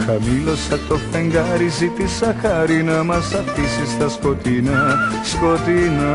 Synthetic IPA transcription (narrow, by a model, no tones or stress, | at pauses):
kʰɐmilosɐt̪ofɐŋɡaɾizit̪isɐkʰaɾinɐmɐsɐp̚ʰisist̪ɐskot̪inɐspot̪inɐ